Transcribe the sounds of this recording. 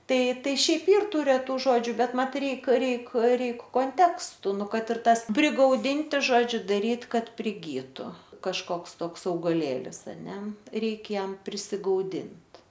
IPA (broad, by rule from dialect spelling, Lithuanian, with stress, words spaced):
ˈtɐɪ ˈtɐɪ ˈʃʲɛɪp ˈiːr ˈtuː rʲɛˈtuː ˈʒoːd͡ʒʲʊ ˈbʲɛt ˈmɐt ˈrʲɛɪk ˈrʲɛɪk ˈrʲɛɪk koːnʲˈtʲæːkstʊ ˈnʊ ˈkɐt ɪr ˈtɐs pʲrʲɪɡɐʊˈdʲɪnʲtʲɪ ˈʒoːd͡ʒʲʊ dɐˈrʲiːt ˈkɐt pʲrʲɪˈɡʲiːtʊ kɐʃˈkoːks ˈtoːks ɐʊɡɐˈlʲeːlʲɪs ɐˈnʲɛ ˈrʲɛɪkʲɛ ˈjɛm pʲrʲɪsʲɪɡɐʊˈdʲɪnt